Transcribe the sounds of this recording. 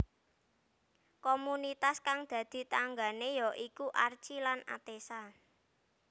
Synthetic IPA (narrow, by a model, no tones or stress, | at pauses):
komunit̪askaŋd̪̥ä̤d̪̥i̤t̪aŋɡa̤nejɔʔikuʔart͡ʃilana̰t̪esa